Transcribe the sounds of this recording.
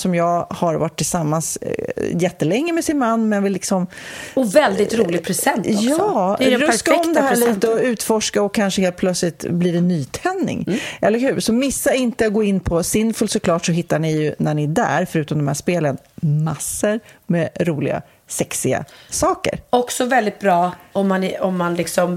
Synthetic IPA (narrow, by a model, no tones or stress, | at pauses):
sɔmjɑːɡhaɾvaʈʰːɪlsamːansjɛt̪ːəlɛŋːəmɛsɪnmanːmɛnhanvɪlːɪksɔm | ɔvɛld̪ɪt̪ɾuːlɪpʰɾɛsɛntɔjɑɛɾskaɛɔmd̪ɦæːɭiːt̪əɔʉ̟ːt̪fɔʂkaɔkʰːanʂəɦeːlt̪̚pʰlœt̪slɪt̪blidɛnːyːt̪ʰɛnːɪ̰ŋʔɛlːəɾɦʉ̟ːsɔmɪsːaɪnt̪əaɡoːɪnːpʰɔsɪnfəlsɔkʰlɑːʈʂɔɦɪt̪ːaɳɪjɵnæɳɪæɖæ̰ːɾfœɾʉ̟ːt̪ɔmnd̪ɔmhæʂpeːlən | masːəɾmɛɾuːlɪ̰ɡa̰ | sɛksɪɡa̰sɑːkə̰ɾɔksɔvɛld̪ɪt̪̚bɾɑːɔmːanɔmːanlɪksɔm